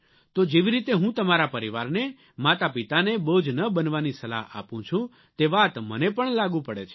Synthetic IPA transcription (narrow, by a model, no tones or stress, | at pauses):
t̪od͡ʒeʋiɾit̪eɦũt̪əmaɾapəɾiʋaɾne | mat̪apit̪aneboud͡ʒnəbənʋanisəla̰ɦa̰pũt͡ʃʰũ | t̪eʋat̪mənepəɳlaɡũpəɽet͡ʃʰe̥